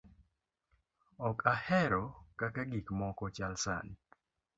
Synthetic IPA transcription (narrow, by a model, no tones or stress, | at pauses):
ɔkʰahɛɾɔkakaɡikmɔkɔt͡ʃalsa̰ni